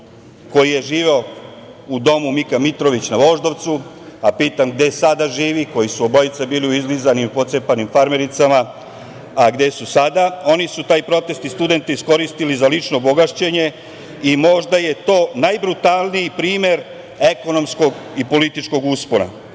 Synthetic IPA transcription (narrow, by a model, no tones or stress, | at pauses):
ko̞jije̞ʒiːʋeo | ud̪o̞mumikamit̪ɾo̞ʋit͡ɕnaʋo̞ʒd̪o̞ʋt̪su | apiːt̪amɡd̪e̞sad̪aʒiːʋiko̞jisuobo̞jit̪sabiːliuizlizanimipo̞t̪sepanimfaɾme̞ɾit̪sama | aɡd̪e̞susad̪ao̞nisut̪aːjpɾo̞t̪e̞st̪ist̪ud̪e̞nt̪eisko̞ɾist̪ilizalit͡ʃno̞ːbo̞ɡaʃt͡ɕe̞ɲe̞ | imo̞ʒd̪aje̞t̪o̞ːnajbɾut̪alˠnijipɾiːme̞ɾ | e̞ko̞no̞msko̞ɡipo̞lit̪it͡ʃko̞ɡuspo̞na̰